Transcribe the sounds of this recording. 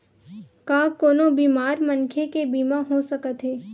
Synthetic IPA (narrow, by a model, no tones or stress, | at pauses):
kaːkoːnobiːmaːɾmɐnkʰekebiːmaɦosɐkət̪ɦeː